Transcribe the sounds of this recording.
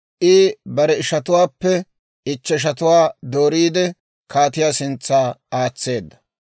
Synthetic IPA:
ʔɪbɐɾɛɪʃɐt̪ʊwaːpːɛ | ɪt͡ʃːɛɪʃ̬ɐt̪ʊwaːd̪o̞ːɾiːd̪ɛ | kaːt̪ɪjaːsɪnt͡sːaːaːt͡sːe̞ːd̪ːɐ̥

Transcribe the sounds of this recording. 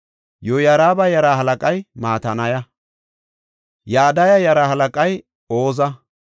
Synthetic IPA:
jɔjɐɾaːbɐjɐɾaɦɐlɐkʼɐjmaːt̪ɐnɐjɐ | jaːd̪ɐjɐjɐɾahɐlɐkʼɐj | oːzɐ

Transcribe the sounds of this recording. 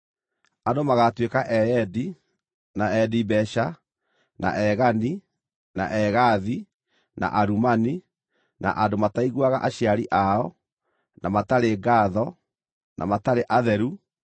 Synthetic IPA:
andomaɣatwekaʔɛɛdi | naɛdibɛʃa | na̰ʔɛɣani | na̰ʔɛɣaði | na̰ʔaɾumani | na̰ʔadomataiɣwaɣaʔaɕiaɾiʔaɔ | nʔa̰mataɾeɡaðɔ | nʔa̰mataɾeʔaðɛɾu

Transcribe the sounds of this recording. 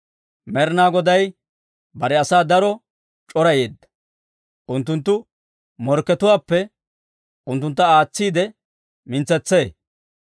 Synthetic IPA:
mɛɾnaːɡɔd̪ɐj | bɐɾɛɐsaːd̪ɐɾɔ | t͡ʃʼɔɾɐjeːd̪ːɐ̥ | ʔʊnt̪ːʊnt̪ːʊ | mɔɾkːɛt̪ʊwaːpːɛ | ʔʊnt̪̬ːʊnt̪ːɐaːt͡sːiːd̪ɛ | mɪnt͡sːɛt͡sːe̞ː

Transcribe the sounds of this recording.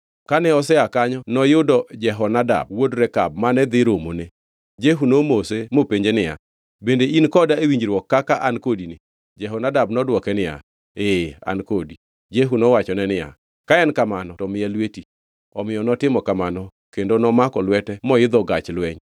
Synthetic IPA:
kanɛɔs̬ɛakaɲɔnɔjʊdɔd͡ʒɛɦɔnada̰b̚wodɾɛka̰b̚manɛd̪ɪɾomone | d͡ʒeɦunomosemopeɲd͡ʒenɪja̰ | bendeinkɔdaewiɲd͡ʒɾwɔkːakaʔankodinɪ | d͡ʒɛɦɔnadabnɔdwɔkɛnɪja̰ | ea̰nkodi | d͡ʒeɦunɔwat͡ʃɔnɛnɪja̰ | kaɛnkamanɔtɔmɪɛlweti | ɔmɪjɔnɔtɪmɔkamanɔ | kendonɔmakɔlwɛtɛmɔɪd̪ɔɡat͡ʃlwɛɲ

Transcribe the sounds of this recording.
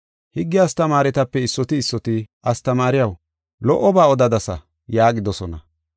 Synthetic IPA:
hɪɡːɪjɐst̪ɐmaːɾɛt̪ɐpːɛɪsːɔt̪ɪːsːɔt̪ɪʔɐst̪ɐmaːɾɪjɐw | lɔʔːɔbaːɔd̪ɐd̪ɐsɐ̰ | jaːɡɪd̪ɔsɔnɐ

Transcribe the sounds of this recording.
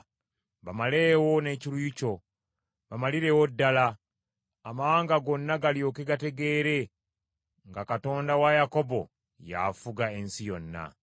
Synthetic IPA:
βamale̞ːwo̞ne̞ːcilujico̞ | βamaliɾe̞wodːalaː | mawaːŋɡaɡo̞nːaɡaljo̞ːke̞ɡate̞ɡe̞ːɾe̞ | ŋɡakato̞ːndawajako̞bo̞̰ | ja̰fuɡae̞nsijo̞nːa̰

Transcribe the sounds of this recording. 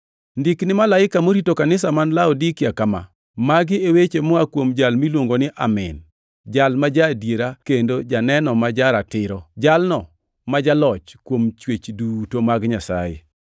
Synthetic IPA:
ndiknɪmalaɪkamoɾitokanɪsamanlaɔdikɪakama̰ | maɡɪewet͡ʃemɔakwomd͡ʒalmilwoŋɡonɪʔamɪ̰n | d͡ʒalmad͡ʒadjeɾakendod͡ʒanɛnɔmad͡ʒaɾatɪɾɔd͡ʒalnɔ | mad͡ʒalɔt͡ʃkwomt͡ʃwet͡ʃdutomaɡɲasa̰jḛ

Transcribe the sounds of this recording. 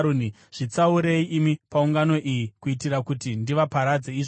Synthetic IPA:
uni | ʐ̥it͡sauɾe̞iʔimipauŋɡano̞ʔijikuitirakutindiʋapaɾad͡zeiʐ

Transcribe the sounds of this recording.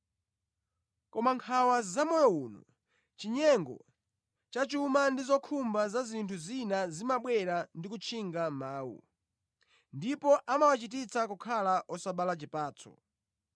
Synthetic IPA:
kɔmaŋkʰawazamɔjɔuːnṵ | t͡ʃiɲɛŋɡɔ̰ | t͡ʃat͡ʃumandizɔkʰumbazazintʰuzinazimaɓwɛɾandikut͡ʃʰiŋɡamaːwṵ | ndipɔʔamawat͡ʃitit͡sakukʰalaʔɔsaɓalat͡ʃipaːt͡sʰɔ̰

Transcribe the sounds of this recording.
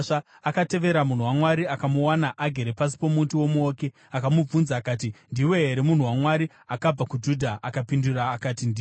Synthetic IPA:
a | akate̞ʋe̞ɾamun̤uwamwaɾiakamuwanaʔaɡʱeɾepas̬i̥po̞mutiwo̞muoːke̞ | akamub͡vunzaːkaːt̬indiwe̞ɦeɾemun̤uwamwaɾi | akab͡vakud͡ʒudʱaʔakapinduraːkaːtindi

